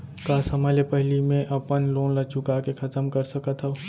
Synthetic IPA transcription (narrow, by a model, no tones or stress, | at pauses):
kaːsəmaːlepɛɦlimẽʔɐpənloːnlɐt͡ʃʊkakexʰɐt̪əmkəɾsəkət̪ɦɛ